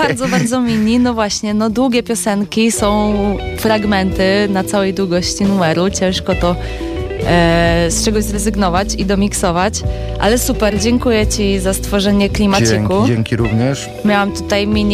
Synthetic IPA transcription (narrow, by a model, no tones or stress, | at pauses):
baɾd̪zɔbaɾd̪zɔmʲiɲinɔvwaɕɲɛnɔd̪wuɡʲɛpʲjɔsɛŋkʲisɔ̃w̃ | fɾaɡmɛnt̪ɘnat̪sawɛjd̪wuɡɔɕt͡ɕinumɛɾut͡ɕɛ̃w̃ʂkɔt̪ɔ | st͡ʂɛɡɔʑzɾɛzɘɡnɔvat͡ɕid̪ɔmʲiksɔvat͡ɕ | ʔa̰lɛsupɛɾd͡ʑɛŋkujɛt͡ɕizast̪fɔʐɛɲɛklʲimat̪ɘkuɛŋkʲiɾuvɲɛʂ | mʲjawamt̪ut̪ajmʲiɲ